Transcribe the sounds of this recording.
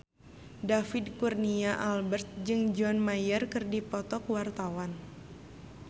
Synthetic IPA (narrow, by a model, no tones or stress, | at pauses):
dafidkurniaʔalbərt̪̚d͡ʒɨŋd͡ʒɔnmajərkɨrdipɔt̪ɔk̚wart̪awan